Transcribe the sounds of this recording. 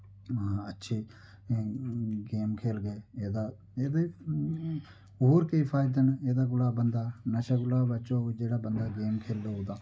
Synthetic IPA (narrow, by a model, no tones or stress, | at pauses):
ətːʃʰeː | ɡeːmkʰeːlɡeːeːd̪aː | eːd̪e | ɦoːɾkeifʰaːɪd̪əneːd̪aːɡʊlaːbənd̪aːnəʃaːɡʊlaːbət͡ʃoːd͡ʒeːɽaːbənd̪aːɡeːmkʰeːld̪oːɦoːd̪aː